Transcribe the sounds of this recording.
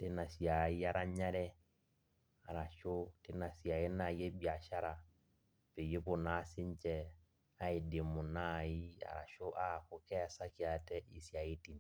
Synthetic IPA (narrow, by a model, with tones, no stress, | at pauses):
te˦na˨si˨a˨i˦a˦ɾa˦ɲa˦ɾɛ˦ | a˨ɾa˨ʃo˦te˦na˨si˨a˨je˦na˨je˦bi˨a˨ʃa˦ɾa˨ | pe˨je˦pʊ˨na˨˦sɪ˦ɲ˦t͡ʃɛ˦˨ | a˦i˨de˨mʊ˨na˦˨i˦a̰˨ɾa̰˨ʃo˦ʔa˦˨kʊ˨kɛ˦a˨sa˦ki˦a˨tɛ˦ʔi˨si˨a˨i˦ti˨n˨